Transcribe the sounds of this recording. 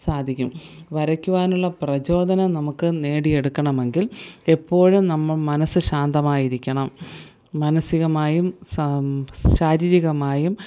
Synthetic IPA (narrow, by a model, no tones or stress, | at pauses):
saːd̪ʱikʲːum | ʋɐɾɐkʲːuʋaːnuɭːɐprɐt͡ɕo̞ːd̪ʱɐnɐnɐmukːɨne̞ːɽije̞ɽukːɐɳɐme̞ŋɡile̞pːo̞ːɻumnɐmːɐɭmɐnɐsɨɕaːnd̪ɐmaːjiɾikʲːɐɳɐmː | ɐnɐsiɣɐmaːjum | ɕaːɾiːɾiɣɐmaːjum